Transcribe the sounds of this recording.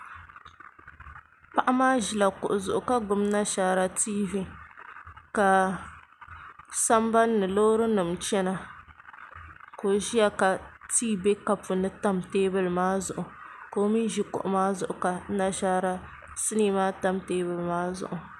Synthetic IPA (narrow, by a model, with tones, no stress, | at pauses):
pa˦ʔa˦maː˦ʒi˨la˨kʊ̰˨ʔʊ˨zʊ˨ʔʊ˨ka˦ɡʊ˨mna˦ʃaː˦ɾa˦tiː˦vi˦ | ka˨ | sa˦mba˦nːɨ˨loː˦ɾɨ˦nɨ˨mt͡ʃɛ˦na˨ | koː˨ʒi˦ja˦ka˨tiː˦be˦ka˦pʊ˨nɨ˦ta˦mteː˦bɨ˨lmaː˦zʊ˨ʔʊ˨koː˨˦mi˦n˦ʒi˦kʊ̰˨ʔʊ˨˦maː˦zʊ˨ʔʊ˨ka˨˦na˦ʃaː˦ɾa˦ | sɨ˦niː˦maː˦ta˦mteː˦bɨ˨lmaː˦zʊ̰˨ʔʊ˨